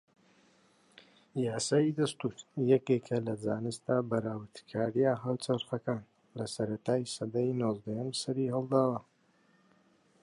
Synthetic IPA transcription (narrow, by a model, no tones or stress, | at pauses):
jaːsaːjid̪ɐst̪uːɾjɛkekʰɐlɐd͡zaːnɨst̪aːbɐɾaːwət̪kʰaːɾijaɦawt͡sɐɾχɐkaːn | lɐsɐɾɐt̪aːjsɐd̪ajnoːzd̪ɐjɐmsɐɾihɨlˠd̪aːwɐ